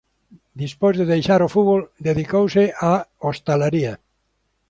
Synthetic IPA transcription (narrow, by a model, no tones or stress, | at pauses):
d̪ispojzðeðejʃaɾofuβold̪eðikowseaost̪alaɾia